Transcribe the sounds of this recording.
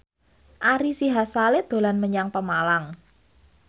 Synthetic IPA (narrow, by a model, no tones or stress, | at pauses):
ʔaɾisiɦasaled̪̥o̤lanməɲaŋpəmalaŋ